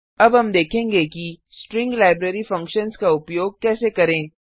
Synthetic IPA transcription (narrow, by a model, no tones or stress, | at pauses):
ɐbɦɐmd̪eːkʰẽːŋɡekisʈɾɪ̃ŋɡlaːɪbɾeɾifɐ̃ŋkʃənskaʊpjoːɡ̚kɛːsekɐɾẽː